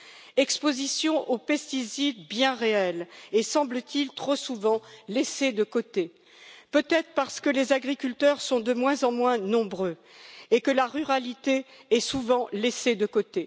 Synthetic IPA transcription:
ɛkspozisjɔ̃ʔopɛst̪isid̪bjɛ̃ʁeɛlesɑ̃blət̪ilt̪χosuvɑ̃lesed̪əkot̪e | pøt̪ɛt̪χə̥paʁsə̥kəlezaɡʁikʲylt̪œʁsɔ̃d̪əmwɛ̃zɑ̃mwɛ̃nɔ̃bʁø | ekəlaʁyʁalit̪eɛsuvɑ̃lesed̪əkot̪e

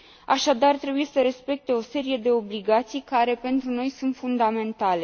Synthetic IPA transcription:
aʃad̪art̪ɾe̞buje̞səɾe̞spe̞k̚t̪e̞o̞se̞ɾije̞d̪e̞o̞bliɡat̪sijkaɾe̞pe̞nt̪ɾuno̞jsunt̪fund̪ame̞nt̪ale̞

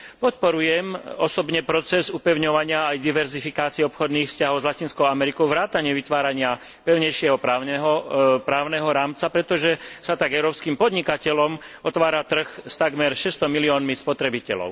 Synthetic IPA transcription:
pɔt̪pɔɾujɛmɔsɔbɲɛpɾɔt͡sɛzupɛʊɲɔʋaɲɪaːjd̪iʋɛɾzifikaːt͡siɛɔpxɔd̪niːxfscaɦɔʊzlacinskɔʊamɛɾikɔʊʋɾaːt̪aɲɪɛʋit̪ʋaːɾaɲɪa | pɛʊɲɛjʃɪɛɦɔpɾaɛɦɔpɾaːʊnɛɦɔɾaːmt͡sapɾɛt̪ɔʒɛsat̪aɡɛʊɾɔːpskiːmpɔd̪ɲikacɛlɔmɔt̪ʋaːɾat̪r̩xst̪aɡmɛɾʃɛst̪ɔmiliɔːnmispɔt̪ɾɛbicɛlɔ̰ʊ

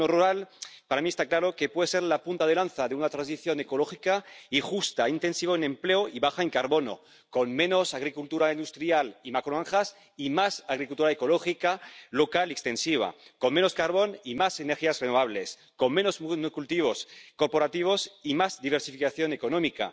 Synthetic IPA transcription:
oruɾalpaɾamiest̪aklaɾo̞ke̞pwe̞ðese̞ɾlapunt̪að̞elanθaðeunat̪ɾansiθjo̞ne̞ko̞lo̞xikaixust̪aint̪e̞nsiβoenẽ̞mpleoiβaxaeŋkaɾβo̞no̰ | ko̞nmẽ̞no̞saɣɾikult̪uɾaind̪ust̪ɾjalimakɾoaŋxas | imasaɣɾikult̪uɾaeko̞loxikalo̞kaliekst̪e̞nsiβ̞a̰ko̞nme̞no̞skaɾβo̞nimase̞neɾxiasrenoβ̞aβ̞le̞s | konmẽ̞no̞sznokult̪iβ̞o̞sko̞ɾpo̞ɾat̪iβ̞o̞simazðiβ̞eɾsifikaθjo̞ne̞ko̞nomika̰

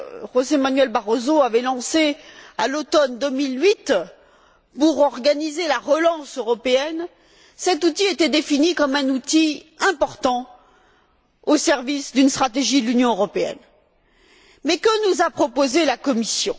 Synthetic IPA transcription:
ʁozemanɥɛlbaʁozoavɛlɑ̃sealot̪ɔnd̪əmilɥit̪ | puʁɔʁɡanizelaʁəlɑ̃søʁɔpeɛn | sɛt̪ut̪iet̪ɛd̪efinikɔmɛ̃nut̪iɛ̃pɔʁt̪ɑ̃ | osɛʁvisd̪ynst̪χat̪̬eʒid̪əlynjɔ̃øʁɔpeɛ̰n | mɛkənuzapχɔpozelakɔmisjɔ̰̃

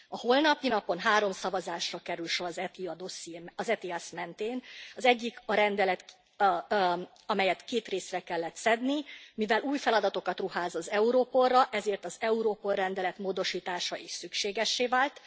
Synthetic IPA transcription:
ɒho̞lnɒpinɒpo̞nɦaːɾo̞msɒvɒzaːʃrɒkɛɾylʃo̞ɾɒzɛiɒd̪o̞siɒzɛt̪iɛsmɛnt̪eːnɒzɛɟːikɒɾɛnd̪ɛlɛt̪ | ɒmɛjɛt̪keːt̪reːsrɛkɛlːɛt̪sɛd̪nimivɛlʔuːjfɛlɒd̪ɒt̪o̞kɒt̪ruhaːzɒzɛuɾoːpo̞rːɒʔɛzeːrt̪ɒzɛuɾoːpo̞lrɛnd̪ɛlɛt̪moːd̪o̞ʃiːt̪aːʃɒʔeːʃsykʃeːɡɛʃːeːvaːlt̪

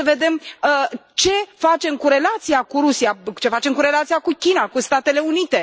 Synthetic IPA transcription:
əve̞d̪e̞mət͡ʃe̞fat͡ʃe̞mkuɾe̞lat̪siakuɾusijat͡ʃe̞fat͡ʃe̞mkuɾe̞lat̪siakukʲinakust̪at̪e̞le̞unit̪e̞

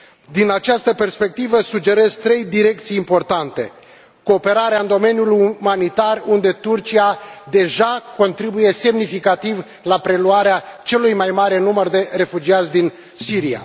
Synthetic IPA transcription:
d̪inat͡ʃast̪əpe̞rspe̞k̚t̪ivəsud͡ʒe̞ɾe̞zt̪ɾe̞jd̪iɾe̞kt̪sijːmpo̞rt̪ant̪e̞ | ko̞ːpe̞ɾaɾeaɨnd̪o̞me̞njulumanit̪arund̪e̞t̪urt͡ʃiad̪e̞ʒako̞nt̪ɾibuje̞se̞mnifikat̪iv | lapɾe̞luaɾeat͡ʃe̞lujmajmaɾe̞numərd̪e̞re̞fud͡ʒiat̪sʲd̪in | siɾia̰

